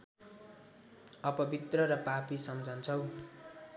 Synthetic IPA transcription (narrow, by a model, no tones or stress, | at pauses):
ʌpʌbit̪rʌɾʌpapisʌmd͡zʱʌnt͡sʰʌw